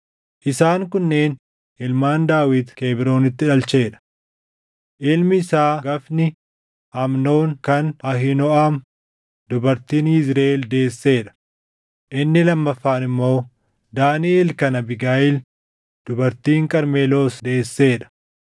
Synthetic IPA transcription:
ʔɪsaːŋkʊnːe̞ːn | ɪlmaːnd̪aːwɪd̪keːbɪɾo̞ːnɪt̪ːɪᶑɐlt͡ʃe̞ːᶑɐ̥ | ʔɪlmɪːsaːɡɐfnɪ | ɐmno̞ːnkɐnɐɦɪnɔaːm | d̪ʊbɐɾt̪iːnhɪzɾeːld̪e̞ːsːe̞ːᶑɐ̥ | ʔɪnːɪlɐmːɐfːaːnɪmːo̞ː | d̪aːnɪelkɐnɐbɪɡaːʔɪl | d̪̥ʊbɐɾt̪iːŋkʼɐɾmeːlo̞ːsd̪e̞ːsːe̞ːᶑɐ̥

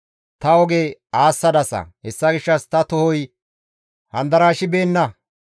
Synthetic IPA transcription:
t̪ɐɔɡeaːsːɐd̪ɐsɐ̰hɛsːɐɡɪʃːɐst̪ɐt̪ʊhɔj | hɐnd̪ɐɾaːʃɪbe̞ːnːɐ

